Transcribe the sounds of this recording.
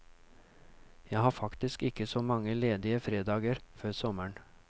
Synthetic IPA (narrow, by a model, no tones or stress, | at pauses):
jæɪhɑːfɑkt̪ɪskɪkəsoːmɑŋəleːd̪ɪəfɾeːd̪ɑːɡəɾføːɾsɔməɳ